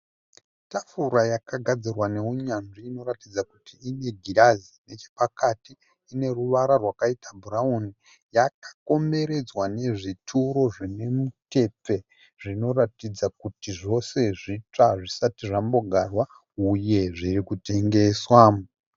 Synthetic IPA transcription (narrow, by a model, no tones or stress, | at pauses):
tafuɾajakaɡʱad͡zirwane̞uɲanʐiːno̞ɾatid͡zakutiːne̞ɡʱiɾazine̞t͡ʃe̥pakatiː | ne̞ruʋaɾarwakaitabʱurauni | jakḁko̞mbe̞ɾe̞d͡zwane̞ʐitʰuɾo̞ʐine̞mute̞p͡fe̞ | ʐ̥ino̞ratid͡zakutiʐo̞se̞ʐit͡ʂaʐisatiʐambo̞ɡʱarwa | uje̞ʐirikute̞ŋɡe̞swaːm